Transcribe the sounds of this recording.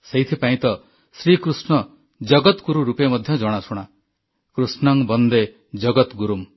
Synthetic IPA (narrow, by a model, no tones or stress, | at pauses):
seɦjt̪ʰipaĩt̪ʌ | sɾikɾusnɔ | d͡ʒʌɡʌt̪kuɾuɾupemʌd̪ʱjʌd͡ʒɔɽ̃asʰuɽ̃a | kɾusnɔŋbʌnd̪e | d͡ʒʌɡɔt̪ɡuɾum